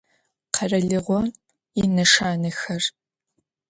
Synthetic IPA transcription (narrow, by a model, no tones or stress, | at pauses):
qʰɐrɐɮɨʁʷɔn | inɐʂaːnɨxɐr